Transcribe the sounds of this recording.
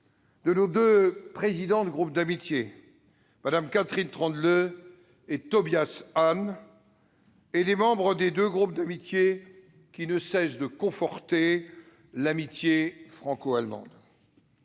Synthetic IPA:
d̪̥ənod̪øpχezid̪ɑ̃d̪ɡʁup̚d̪amit̪je | mad̪amkat̪χint̪χɑ̃d̪lø | et̪ɔbjasan | ed̪emɑ̃bʁəd̪ed̪øɡʁup̚d̪amit̪je | kʲinəsɛsd̪əkɔ̃fɔʁt̪e | lamit̪jefχɑ̃koalmɑ̰̃d̪

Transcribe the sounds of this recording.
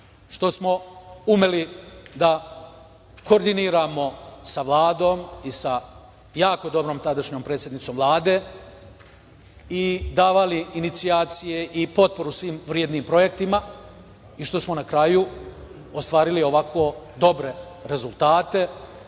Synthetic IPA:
ʃt̪o̞smo̞ume̞lid̪a | ko̞ɾd̪iniːɾaːmo̞saʋlˠaːd̪o̞ːmisa | jaːko̞d̪o̞bɾo̞ːmt̪ad̪aʃɲo̞ːmpɾet̪sʲje̞d̪nit̪so̞ːmvlˠaːd̪e̞ː | id̪aːʋaliːnit̪siaːt̪sije̞ʔipo̞t̪̚po̞ɾusʋiːmʋɾjed̪niːmpɾo̞je̞k̚t̪ima | iʃt̪o̞smo̞nakɾaju | ost̪ʋaːɾilio̞ʋako̞ːd̪o̞bɾe̞ɾe̞zulˠt̪aːt̪e̞

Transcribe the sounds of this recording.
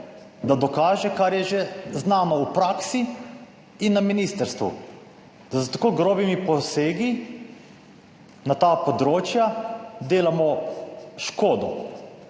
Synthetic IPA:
d̪ad̪ɔkaːʒɛkaɾjɛʒeznaːnɔupɾaːksi | inːaminist̪əɾst̪ʋṵ | d̪̥ast̪ḁkoːɡɾoːbimipɔseːɡi | nat̪aːpɔd̪ɾoːt͡ʃjad̪eːlamɔ | ʃkoːd̪ɔ̰

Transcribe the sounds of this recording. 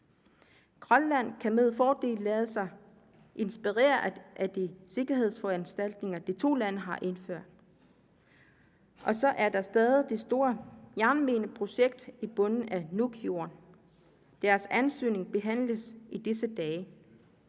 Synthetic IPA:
kʰʁɒnlæn̰kʰæme̝ð̞ˠfɒːd̥e̝̰ːlːɛ̰ːð̩ˠsɑ̈ɪ | ʔe̝nsb̥iʁḛːɐʔæd̥ise̝ɡ̥ɐɦe̝ð̞̰ˠsfɒænsd̥æl̰d̥ne̝ŋɐd̥it͡sʰo̝̰ːlæn̰əɦɑ̈ʔe̝nføɐ̰d̥̚ | ʔɒ̽sɒ̽ʔæɐd̥ɑ̈sd̥ɛːðˠid̥e̝sd̥o̝ːɐjæɐnme̝ːnəpʰʁo̝ɕeɡ̥̚d̥ib̥ɔ̽nn̩ænukʰio̝ɐn | d̥æɐsænsø̰ːne̝ŋb̥e̝ɦæn̰ləsid̥isəd̥ɛː

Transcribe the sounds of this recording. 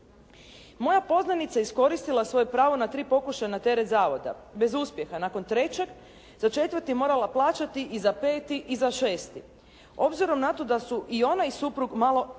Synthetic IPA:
mo̞japo̞znanit̪sajeisko̞ɾist̪ilˠasʋo̞jepɾaːʋo̞nat̪ɾiːpo̞kuʃajnat̪e̞ɾet̪zaːʋo̞d̪a̰be̞zuspje̞xanako̞nt̪ɾe̞t͡ɕe̞ɡ | z̥at͡ʃe̞t̪ʋəɾt̪imo̞ːɾalˠaplˠaːt͡ʃat̪iʔizapeːt̪iʔizaʃeːst̪i | o̞bziɾo̞mnat̪o̞d̪asuʔio̞najsupɾuɡmalˠo̞

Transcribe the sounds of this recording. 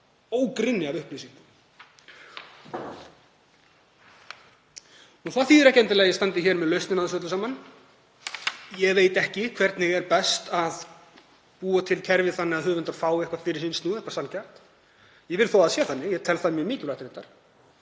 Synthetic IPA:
oːwkɾɪnːɪaðʏhplisiŋkʏ | uθaθiːðɾɛhcɛnt̪ɪlɛːɣajɛst̪ant̪ɪçɛɾmɛðlœɥst̪ɪnaðsœt̪lʏsamanː | jɛɣveːjt̪ɛhcɪkʰvɛɾt̪nɪɣɛɾpɛst̪að | puːat̪ʰɪlcʰɛɾvɪθanːɪɣaðɦʏːvʏnt̪aɾfaːwɪhkvafɪɾɪɾ̥sinst̪nuːðɛhpaɾ̥sancʰḁt̪ | jɛɣvɪɾθoːðaðsjɛ̥θanːɪjɛt̪ʰɛlθaðmjɛmɪːcɪvlajht̪ɪɾɛnt̪aɾ̥

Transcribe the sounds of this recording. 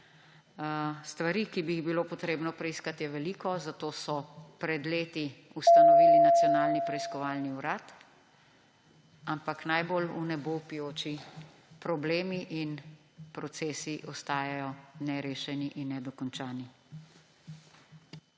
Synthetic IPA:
st̪ʋaɾiːkibiiɣbiloːpɔt̪ɾeːbnɔpɾɛiskat̪jɛʋɛliːkɔzat̪oːsɔpɾɛd̪leːt̪i | ust̪anɔʋiːlinat̪sjɔnaːlnipɾɛiskɔʋaːlniuɾaːt̪ | ampaknajbolunɛbopijoːt͡ʃi | pɾɔbleːmiʔin | pɾɔt̪seːsiʔɔst̪aːjajɔnɛɾeːʃɛniʔinːɛd̪ɔkɔnt͡ʃaːni

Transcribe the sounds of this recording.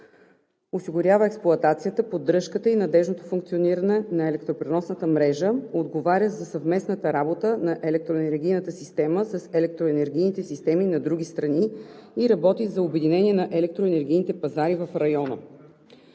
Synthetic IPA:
osiɡʊɾʲavəɛksplˠʊɐt̪at̪sijət̪əpod̪ɾɤʃkət̪əinɐd̪ɛʒnot̪o̥fuŋkt̪sioniɾənɛnɐɛlɛkt̪ɾopɾɛnɔsnət̪əmɾɛʒəod̪ɡovaɾʲəzɐsəvmɛsnət̪əɾabot̪ənɐʔɛlɛk̚t̪ɾoɛnɛɾɡʲijnət̪əsist̪ɛməsɐsɛlɛk̚t̪ɾoɛnɛɾɡʲijnit̪ɛsist̪ɛminɐd̪ɾuɡ̟ʲist̪ɾɐniiɾɐbɔt̪izɐobɛd̪inɛnʲiɛnɐʔɛlɛk̚t̪ɾoɛnɛɾɡ̟ʲijnit̪ɛpɐzaɾivəfɾɐjɔnə̰

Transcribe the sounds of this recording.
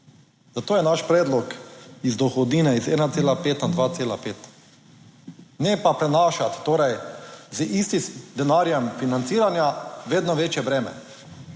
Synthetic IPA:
zat̪oːjɛnaʃpɾɛːd̪lɔkizd̪ɔxɔd̪niːnɛizɛːnat̪seːlapeːt̪nad̪ʋaːt̪seːlapeːt̪ | nɛpapɾɛnaːʃat̪ːoːɾajzʔist̪isd̪ɛnaːɾjɛmfinant̪siːɾanjaʋeːd̪nɔʋeːt͡ʃjɛbɾɛːmɛ̰

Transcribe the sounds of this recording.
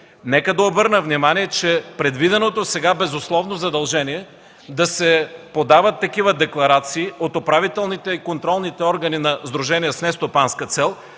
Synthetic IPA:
nɛkəd̪ɐobɤɾnəvnimaniɛt͡ʃɛpɾɛd̪vid̪ɛnot̪osɛɡabɛzʊslˠɔvnozɐd̪ɐlˠʒɛniɛ | d̪ɐsɛpod̪avɐt̪ːɐkivəd̪ɛklˠɐɾat̪siːot̪opɾavit̪ɛlˠnit̪ɛikont̪ɾɔlˠnit̪ɛɔɾɡɐninɐzd̪ɾuʒɛnijəsnɛst̪opanskət̪sɛlˠ

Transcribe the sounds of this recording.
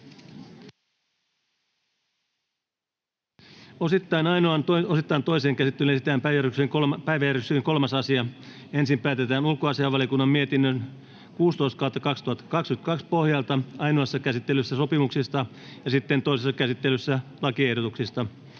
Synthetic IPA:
osit̪ːɑinɑjnoɑntosit̪ːɑint̪o̞jseːŋkæsit̪ːelyesi̥t̪æːmpæjæryksyŋpæjʋæjæɾysyiŋko̞lmɑsɑsiɑensimpæːt̪et̪æːnulkoɑsiɑʋɑliokunːɑmːmiet̪inːøn | kuːst̪ojst̪̚kɑwt̪ːɑkɑkst̪uhɑt̪ːɑ̥kɑkskyt̪kɑkspohjɑlt̪ɑɑjnoɑsːɑkæsit̪ːelysːæso̞pimuksist̪ɑ | jɑsit̪ːe̞nt̪o̞jsesːɑkæsit̪ːelysːælɑkie̞hdo̞t̪uksist̪ɑ

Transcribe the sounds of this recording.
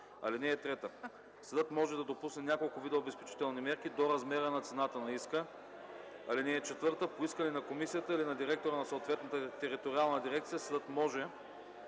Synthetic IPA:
ɐ̰linɛːt̪ɾɛt̪ə | səd̪ɤt̪mɔʒɛd̪ɐd̪opusnɛnʲjakolˠkʊvid̪ɛoːbɛspɛt͡ʃi̥t̪ɛlˠnimɛɾkid̪oɾɐzmɛɾənɐt̪sɛnat̪ənɐiskə | alinɛːt͡ʃɛt̪vɤɾt̪əpoiskəlinɐkomisijət̪əilinɐd̪iɾɛk̚t̪oɾənɐsoːt̪vɛt̪nət̪ət̪ɛɾit̪oɾialˠnəd̪iɾɛkt̪sijəsəd̪ət̪mɔʒɛ

